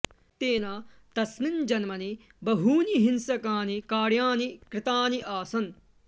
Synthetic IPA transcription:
t̪eːnaː | t̪ɐsnind͡ʒɐnmɐni | bɐɦuːniɦinsɐkaːnikaːɽjaːnikɾɪt̪aːniʔaːsɐn

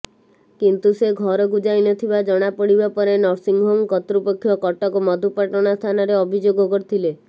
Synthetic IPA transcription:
kint̪useɡʱɔɾɔkud͡ʒajnɔt̪ʰibad͡ʒɔɽ̃apɔɽibapɔɾenɔɾsiŋɡɦomkɔt̪ɾupɔkʰːjɔkɔʈɔkɔmɔd̪ʱupaʈɔɽ̃ast̪ʰanɔɾeɔbʱid͡ʒoɡɔkɔɾit̪ʰile

